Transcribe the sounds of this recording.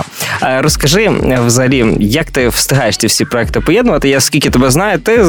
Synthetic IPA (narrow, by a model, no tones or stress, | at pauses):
ɾɔskɐʐɪvzɐɦɐlʲijɐkt̪ɪwst̪ɪɦajeʂt̪ʲiwsʲipɾɔɛkt̪ɨɪpɔjɛd̪nɐʋɐt̪ɪjaskʲilʲkʲɪt̪ɐbʲɛznajʊt̪ːɪ